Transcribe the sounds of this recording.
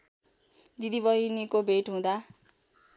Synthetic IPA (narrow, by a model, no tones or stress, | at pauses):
d̪id̪iβʌinikobʱeʈɦũd̪a